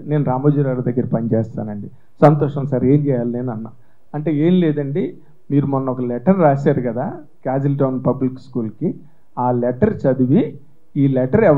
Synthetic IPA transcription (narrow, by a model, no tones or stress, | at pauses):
ne̞ːnuɾaːmoːd͡ʒuɾaːɽɐd̪ɐɡːɐɾɐpɐnit͡ʃɛːst̪a̰ːnɐɳɖi | sɐnt̪ɔːʂɐmsaːɾe̞ːɲt͡ʃɛːjaːlneːnuɐnːaː | ɐɳʈe̞ːe̞ːmleːd̪ɐɳɖi | miːɾumɔnːɐɔkɐlɛʈɐɾːaːsaːɾukɐd̪aː | kaːd͡ʒilʈɐwnpɐblikskuːlki | aːlɛʈɐɾt͡ʃɐd̪uʋi | iːlɛʈɐɾɛʋ